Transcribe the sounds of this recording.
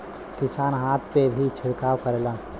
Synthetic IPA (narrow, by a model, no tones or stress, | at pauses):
kɪsaːnɦaːt̪ʰpebʱit͡ʃʰɪɽkaːwkəɾlã